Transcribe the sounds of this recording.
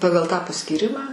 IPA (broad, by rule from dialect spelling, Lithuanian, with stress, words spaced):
ˈpɑːɡɐlˠ tɑː pɐsʲkʲiːˈrʲɪmɑː